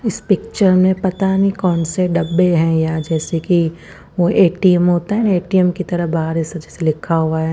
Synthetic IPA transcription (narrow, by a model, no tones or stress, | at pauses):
ɪspɪk̚t͡ʃəɾmẽpɐt̪anĩkɔːnseɖɐbːeɦɛ̃jad͡ʒɛːseki | ʋoʔeːʈiɛmɦoːt̪aɦɛeːʈiɛmkit̪ɐɾəbaɦəɾisɐd͡ʒɛːselɪkʰaɦuaɦɛː